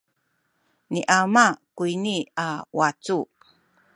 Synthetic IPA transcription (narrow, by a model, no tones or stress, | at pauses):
niʔamakuiniawat͡su